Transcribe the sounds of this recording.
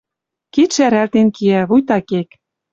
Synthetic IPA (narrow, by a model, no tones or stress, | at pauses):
kit̪ʃæɾælt̪enkiæβujt̪ɑkek